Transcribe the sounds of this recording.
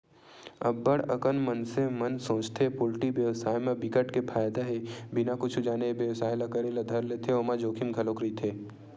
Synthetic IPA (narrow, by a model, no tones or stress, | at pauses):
ɐbːəɽɐ̰kənmənsemɐnsõːt͡ʃt̪ʰepʊlʈibjəʋsaːjmẽbɪkəʈkepʰaːjd̪aɦebɪnakʊt͡ʃʰud͡ʒaːnebjəʋsaːjlɐkəɾelɐd̪ʱəɾleːt̪ʰeomad͡ʒoːkʰimɡʱɐloːkɾit̪ʰeː